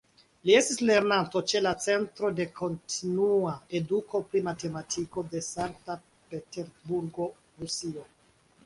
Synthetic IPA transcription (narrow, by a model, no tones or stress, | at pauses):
lie̞stisle̞ɾnanto̞t͡ʃe̞lat͡se̞ntɾo̞de̞kʰo̞ntinuae̞duko̞pɾimate̞matʰiko̞de̞saŋk̚ta | peteɾbuɾɡo̞ | ɾusio̞